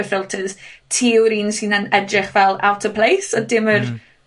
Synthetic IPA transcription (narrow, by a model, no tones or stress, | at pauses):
əfɪlˠtʰəð̥tʰiːwɾiːnsɨnənɛdrɪχvɛlˠawtʰəpʰl̥ejsɔdɪmər